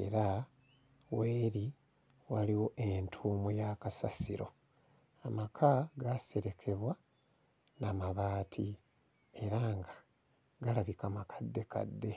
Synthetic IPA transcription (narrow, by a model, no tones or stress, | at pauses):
e̞̰ɾa | weːɾi | waliwo̞ʔentʰuːmujakasasiɾo̞ | amakʰaɡase̞ɾe̞kʰe̞βwa | namaβaːtʰi | e̞ɾaŋɡḁ | ɡalaβikamakʰḁdːe̞ka̰dːe̞